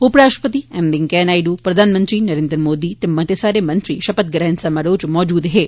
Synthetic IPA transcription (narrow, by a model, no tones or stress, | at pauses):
ʊpɽaːʃpət̪iɛmd̪ɪŋkɛːnaːjɖupɾɐd̪ʱaːnmənt̪ɾinəɾeːnd̪ɾəmoːd̪it̪emːãt̪esaːɾemə̃nt̪ɾiʃɐpət̪̚ɡɾɛnsamaɽoːd͡ʒmɔːd͡ʒuːd̪ɦeː